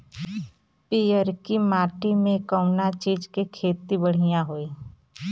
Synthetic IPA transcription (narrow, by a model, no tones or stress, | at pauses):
piəɾkimaːʈimẽkəʊnat͡ʃiːd͡ʒkikʰeːt̪ibəɽ̤ijãɦoːiː